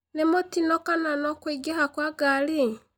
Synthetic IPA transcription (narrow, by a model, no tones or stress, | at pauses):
nemotinɔkananɔkwiɡehakwaɡali